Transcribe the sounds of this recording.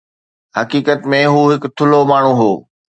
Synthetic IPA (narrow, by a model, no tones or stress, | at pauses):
ɦɐkiːkət̪mẽɦuːɦɪkt̪ʰʊlomaːɳ̤uɦoː